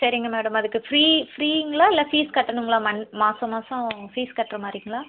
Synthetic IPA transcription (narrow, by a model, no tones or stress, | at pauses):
sɐɾɪŋɡɐmeːɽɐmɐðɯkːɯfɾiːfɾiːɪŋɡɐɭaːɪlːɐfiːskɐʈːɐɳɯŋɡɐɭaːmɐnmaːsɐmaːsɐ̃fiːskɐʈːɾɐmaːɾɪjŋɡɐɭaː